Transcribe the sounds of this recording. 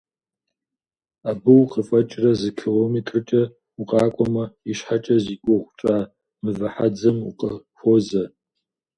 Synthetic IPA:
aːbɨwqəfʼɐt͡ʃʼrɐzɨkʰeloːmetʰʼrɨt͡ʃʼɐ | uqʼɑːkʷʼɔmɐiʃħat͡ʃʼɐziːkʷʼɔʁʷʊt͡ʃʼaː | mɨvɐħad͡zɐmṵqʼɐxʷozɐ

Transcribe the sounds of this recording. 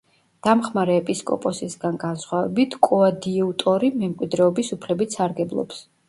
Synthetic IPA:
d̪̥amχmaɾɛːpʼiskʼɔ̰pʼɔsisɡanɡansχwavɛ̰bit̪ʰkʼuad̪iut̪ʼɔɾimɛmkʼwid̪ɾɛɔbisupʰlɛbit̪saɾɡɛblˠɔ̰ps

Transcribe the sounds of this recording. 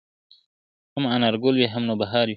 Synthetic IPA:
hamanaɾɡolwiɦamnobaɦɑɾji

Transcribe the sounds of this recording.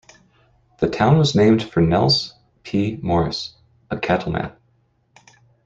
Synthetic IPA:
ðɨtʰãʊ̃nwʌznẽɪ̃md̥fə˞nɛ̰lˠs | pʰimɔɹɨs | əkʰæɾl̩ˠmæ̰̃n

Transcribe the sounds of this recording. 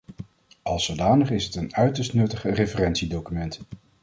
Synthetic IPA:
ʔɑlˠsodaːnəχɪsɦətənœɥtəɹstnɵtəχərevərɛntsidowkymɛnt

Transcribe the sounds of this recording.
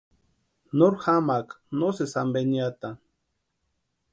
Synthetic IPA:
noɾxamak | nosesambenjat̪a

